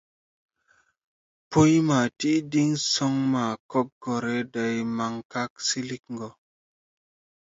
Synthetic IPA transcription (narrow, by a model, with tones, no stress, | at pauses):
po˦jma˨ti˦di˦ŋsɔ˦ŋma˨kɔ˦k̚ɡɔ˨ɾe˦da˨jma˨ŋka˦ksi˦li˦kŋɡɔ˨